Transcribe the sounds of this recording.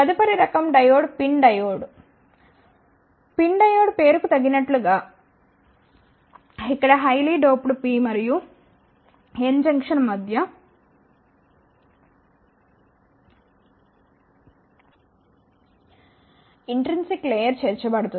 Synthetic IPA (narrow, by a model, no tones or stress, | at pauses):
pɐd̪ipɐɾiɾɐkɐmɖɐjoːɖpiɳɖɐjoːɽ | piɳɖɐjoːɽpe̞ːɾukut̪ɐɡːinɐʈluɡaː | ikːɐɽɐɦɐjliːɖoːpɽupiːmɐɾiju | end͡ʒɐŋkʂɐnmɐd̪ʱjɐ | iɳʈɾinsikːleːjɐɾt͡ʃeːɾt͡ʃɐbɐɽut̪un